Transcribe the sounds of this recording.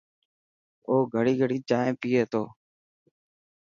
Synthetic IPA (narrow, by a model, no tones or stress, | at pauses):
oːɡʱəɽiːɡʱəɽiːt͡ʃaːẽːpiːeːt̪oː